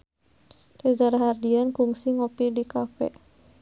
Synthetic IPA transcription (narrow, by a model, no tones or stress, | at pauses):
tezaɾaɦardiankuŋsiŋopidikafɛ̰